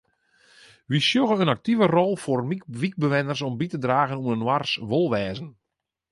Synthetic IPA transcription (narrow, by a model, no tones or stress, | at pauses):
ʋisjoɣəənak̚tivərɔlˠformiʋik̚bəʋɛnərsɔmbitədraːɣənunənwarsʋolˠʋɛːzən̩